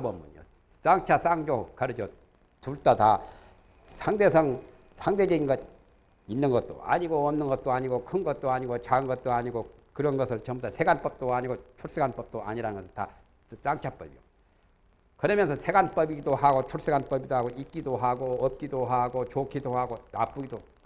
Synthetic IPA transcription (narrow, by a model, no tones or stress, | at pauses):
bʌmunjo̰ | s͈aŋt͡ɕʰas͈aŋd͡ʑokʌɾɯd͡ʑo | tuɭt͈ata | sʰaŋde̞sʰʌŋ | sʰaŋded͡ʑeinɡʌ | inːɯnɡʌt̚t͈o̰a̰ɲiɡoʌmnɯnɡʌt̚t͈oaɲiɡokʰɯnɡʌt̚t͈oaɲiɡot͡ɕaɯnɡʌt̚t͈oaɲiɡokɯɾʌnɡʌsʰɯɭt͡ɕʌmbutʰasʰeɡanp͈ʌp̚t͈oaɲiɡot͡ɕʰuɭs͈ɯɡanp͈ʌp̚t͈oʔa̰ɲiɾanɯnŋɡʌsʰɯɭta̰ | s͈aŋt͡ɕʰap͈ʌbḭjo | kɯɾʌmjʌnsʰʌsʰe̞ɡanp͈ʌbidohaɡot͡ɕʰuɭs͈ɯɡanp͈ʌbidoɦaɡoʔik͈idoɦaɡoʌp̚k͈idoɦaɡot͡ɕokʰidohaɡonap͈uɡido